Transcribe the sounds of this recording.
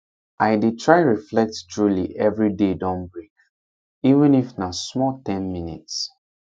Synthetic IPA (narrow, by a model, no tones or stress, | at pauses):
ʔaɪditʰɹaɪɹiflɛk̚ttɹulḭʔɛvɹidedɔ̃nbɹik | ivə̃nifnasmɔtɛ̃nminḭts